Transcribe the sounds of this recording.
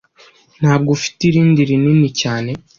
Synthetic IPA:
n̥haːb̚ɡofi̥tiɾiːndiɾininicaːne̞

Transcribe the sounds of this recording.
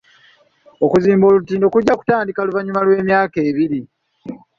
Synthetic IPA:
okuziːmbo̞ːlutiːndo̞kuɟːaku̥taːndikaluvaɲumalwe̞ːmjaːke̞ːβiɾi

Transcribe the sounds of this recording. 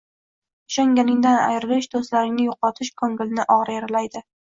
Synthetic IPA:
ʊʃaŋɡʲanɪŋd̪ana̰jɾɪlɪʃd̪ost̪laɾɪŋnɪjʊqɒt̪ʰɪʃkʰoŋɡʲɪlnɪʔɒʁɾajeɾalajd̪ɪ

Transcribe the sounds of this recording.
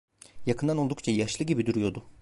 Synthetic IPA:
jakʰɯnd̪anod̪ukt͡ʃʰajaʃlˠɯɟibid̪uɾujo̞d̪ʊ

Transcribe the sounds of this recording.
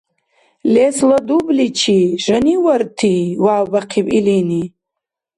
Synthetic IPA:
lesladublit͡ʃʰiʒaniwartʰiwawbaqʰipʼilini

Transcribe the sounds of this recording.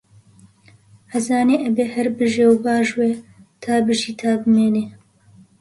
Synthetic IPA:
hɐzaːneːʔɛbeːhɛɾbɨʒeːwbaːʒweːt̪ʰaːbɨʒiːt̪ʰaːbɨmeːneː

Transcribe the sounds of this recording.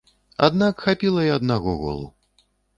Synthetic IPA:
a̰d̪nakxapʲilˠɐjɛɐd̪naɣɔɣɔ̰lˠṵ

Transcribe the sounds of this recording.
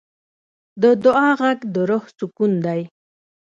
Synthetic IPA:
d̪əd̪ʊɑɣaɡd̪əɾʊhsukund̪aj

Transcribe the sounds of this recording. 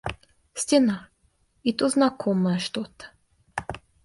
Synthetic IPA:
sʲtʲena | it̪uznakʰɔməjəʃt̪ot̪ə̥

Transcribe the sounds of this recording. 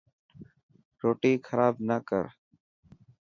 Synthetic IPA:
ɾoːʈiːkʰəɾaːbnəkə̰ɾ

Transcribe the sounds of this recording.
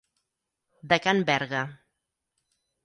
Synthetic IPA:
d̪əkanbɛɾɣa

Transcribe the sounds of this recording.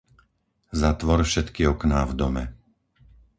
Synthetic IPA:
zat̪ʋɔɾfʃɛt̪kiɔknaːvd̪ɔmɛ̰

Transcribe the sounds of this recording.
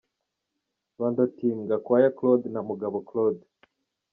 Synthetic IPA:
βandotimɡakwaːjaklod̪namuɡaβoklod

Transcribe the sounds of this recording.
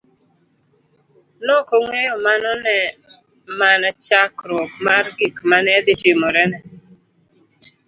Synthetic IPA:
nɔkoŋejɔmanɔnɛ | manat͡ʃakɾwok̚marɡikmanɛd̪ɪtimɔɾɛnɛ

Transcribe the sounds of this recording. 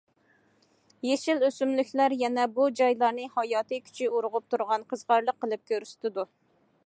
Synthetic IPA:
jeʃiløsymlykʲlæɾjɛnɛbud͡ʒɑjlˠɑɾnɨhɑjɑːt̪ʰɨkʲʰy̥t͡ʃʰɪuɾʊʁʊp̚t̪ʰuɾʁɑnqʰəzʁɑɾlˠəqːəlˠɨp̚kʲʰøɾyst̪ɪd̪u

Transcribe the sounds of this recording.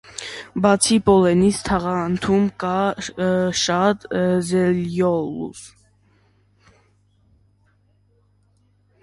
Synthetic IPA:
bɑt͡sʰipɔlɛnist̪ʰɑʁɑnt̪ʰumkɑ | ʃɑt̪zɛljɔlṵv

